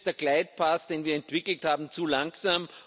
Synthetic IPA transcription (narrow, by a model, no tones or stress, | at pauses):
d̥eɐklaɪt̚pʰaːsd̥eːnviːɐɛntv̥ɪkl̩thaːbm̩t͡suːlaŋksaːm